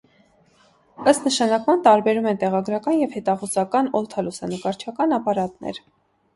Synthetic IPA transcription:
əst̪nəʃɑnɑkmɑnt̪ɑɾbɛɾumɛnt̪ɛʁɑɡɾɑkɑnjɛvhɛt̪ɑχuzɑkɑnɔlt̪ʰɑlusɑnəkɑɾt͡ʃʰɑkɑnɑpɑɾɑt̪nɛ̰ɾ

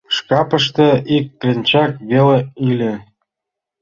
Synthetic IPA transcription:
ʃkɑpə̆ʃ̬t̪ɤ̆ʔikːlʲĕnʲt͡ɕɑkβeleilʲe

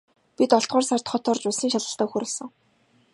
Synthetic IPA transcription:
pit̪ɔɬt̪̚ɢʊːrsar̥t̪χɔt̪ʰɔːrt͡ɕʊɮsiːŋʃaɮə̆ɬt̪aːxɵɾʊ̆ɮsə̆ŋ

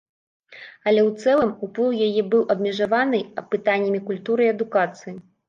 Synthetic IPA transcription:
ɐlʲɛwt̪sɛlˠɨmuplˠɨwjajɛbɨwʔɐbmʲɛʐavanɨɐpːɨt̪anʲːɐmʲikulʲt̪uɾɨiɐd̪ukat̪sɨji

